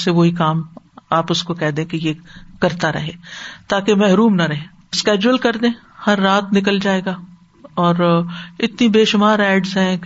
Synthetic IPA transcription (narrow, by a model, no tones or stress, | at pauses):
seʋoɦikaːmaːpʊskokɛɦd̪ẽkejekɐɾt̪aɾɐ̰ɦeːt̪aːkemɛɦɾuːmnɐɾɐɦeː | skɛːd͡ʒuəlkɐɾd̪ẽː | hɐɾːaːt̪nɪk̬əld͡ʒaːeːɡa | ɔːɾɪt̪nibeːʃʊmaːɾɛːɖzɦɛ̃